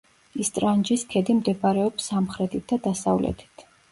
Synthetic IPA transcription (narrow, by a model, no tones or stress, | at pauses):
ist̪ʼɾand͡ʒiskʰɛd̪imd̪ɛbaɾɛɔpsamχɾɛt̪ʰit̪̚ʰd̪ad̪asa̰vlɛ̰t̪ʰi̥t̪ʰ